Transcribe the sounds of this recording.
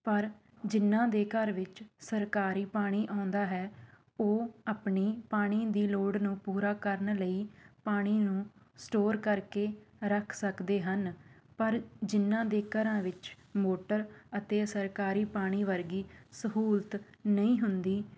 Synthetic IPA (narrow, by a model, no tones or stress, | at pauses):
pəɾ | d͡ʒɪnːãːd̪eːkəɾʋɪt͡ʃsəɾkaːɾiːpaːɽ̃iːʔãːʊnd̪aːɦɛː | oːaːpɳiːpaːɽ̃iːd̪iːloːɖnũːpuːɾaːkəɾnləiːpaːɽ̃iːnũː | sʈoːɾkəɾkeːɾəkʰsəkd̪eːɦən | pəɾd͡ʒɪnːãːd̪eːkəɾãːʋɪt͡ʃ | moːʈəɾət̪eːsəɾkaːɾiːpaːɽ̃iːʋəɾɡiːsəɦuːlt̪nəĩːɦʊnd̪iː